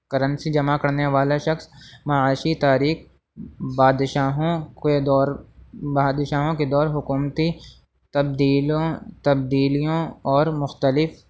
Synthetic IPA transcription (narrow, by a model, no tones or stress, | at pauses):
kɐɾə̃nsid͡ʒɐmakɐɾneʋaːlaʃɐxsmɐaːʃit̪aːɾiːx | baːd̪ʃaːɦõed̪ɔːɾbaːd̪ʃaːɦõked̪ɔːɾɦʊkuːmt̪i | t̪ɐb̚d̪iːlõt̪ɐb̚d̪iːlijõɔːɾmʊxt̪əlɪf